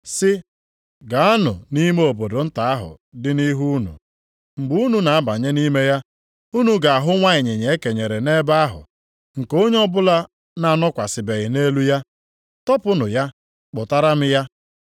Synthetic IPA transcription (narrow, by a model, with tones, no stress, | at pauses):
sɪ˦ | ɡa˨a˦nʊ̰˨ni˦me˦o˨bo˨do˨n̩˦ta˨a˦ɦʊ̰˨ | dɪ˦ni˦ɦu˦nṵ˨ | ŋ͡m̩˨ɡ͡bu˦nu˨na˨a˦ba˨ɲe˦ni˦me˦ja˦ | u˦nu˨ɡa˨a˨ɦʊ˦ŋʷa˦ɪ˨ɲe˨ɲe˨e˦ke˨ɲe˨ɾe˨ne˦ba˦ɦʊ̰˨ | ŋ̩˨ko˦ɲe˦ɔ˦bʊ˦la˦ | na˦˨nɔ˦kʷa˨sɪ˨be˨ɣɪ˨ne˦lu˦ja˦ | tɔ˦pʊ˦nʊ˨ja˦ | k͡pʊ˨ta˦ɾa˦m̩˦ja˦